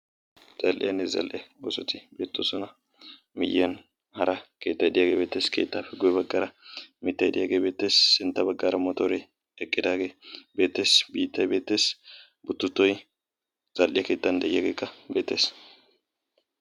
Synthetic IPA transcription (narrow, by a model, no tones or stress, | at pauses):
z̥ɐlʔɪ̰jɐnːɛzɐ̰lʔɪ̰jɐɡɔsɔt̪ʰɪbe̞ːt̪ːosɔnɐ | mɪjɐn | hɐɾʔɐke̞ːt̪ːɐjɛd̪ɪjaːɡeːbe̞ːt̪ːe̞ːskʰeːt̪ːaːfɛɡɔjbɐɡːɐɾɐmɪt̪ːɐjɛd̪ɪjaːɡe̞ːbe̞ːt̪ːe̞ːsːɪnt̪ːɐbɐɡːaːɾɐmɔt̪oːɾɛ | ɛkʼːɪd̪aːɡe̞ːbe̞ːt̪ːe̞ːsbiːt̪ːɐjbe̞ːt̪ːe̞ːs | bʊt̪ːʊt̪ːɔj | z̥ʼɐlʔɪjɐke̞ːt̪ːɐnd̪ɛʔɪjaɡeːkʼːɐbe̞ːt̪ːe̞̰ːs